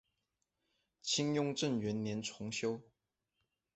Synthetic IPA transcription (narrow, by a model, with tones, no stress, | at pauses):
t͡ɕʰi˥ŋjʊ˥ŋʈ͡ʂə˥˩nɥɛ˧˥nnjɛ˧˥nʈ͡ʂʰʊ˧˥ŋɕjo˥ʊ